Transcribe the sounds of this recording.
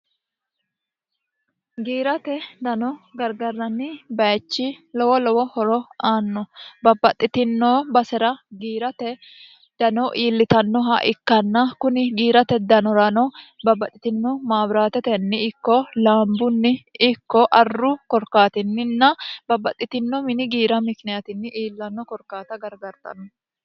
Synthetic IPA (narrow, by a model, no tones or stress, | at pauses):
ɡiːɾɐt̪ɛd̪ɐnɔɡɐɾɡɐɾːɐnːɪbɐjt͡ʃːɪlɔwɔlɔwɔhɔɾɔaːnːɔbɐbːɐt̪ʼːɪt̪ɪnːoːbɐsɛɾɐɡiːɾɐt̪ɛ | d̪̥ɐnɔʔiːlːɪt̪ɐnːɔɦɐʔɪkːɐnːɐkʊnɪɡiːɾɐt̪ɛd̪ɐnɔɾɐnɔbɐbːɐt̪ʼːɪt̪ɪnːɔmaːbɾaːt̪ɛt̪ɛnːɪɪkːɔlaːmbʊnːɪɪkːɔʔɐrːʊkɔɾkaːt̪ɪnːɪnːɐbɐbːɐt̪ʼːɪt̪ɪnːɔmɪnɪɡiːɾɐmɪkɪnɛjɐt̪ɪnːɪʔiːlːɐnːɔkɔɾkaːt̪ɐɡɐɾɡɐɾt̪ʼɐ̰nɔ